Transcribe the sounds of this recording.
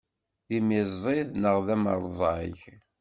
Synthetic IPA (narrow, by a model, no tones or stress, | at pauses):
ðimizˤiðnəʁðæməɾˤzˤʕḭç